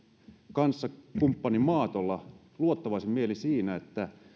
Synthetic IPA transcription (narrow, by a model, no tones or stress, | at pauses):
kɑnsːɑkumpːɑnimɑːt̪olːɑ | luot̪ːɑʋɑsimmielisiːnæet̪ːæ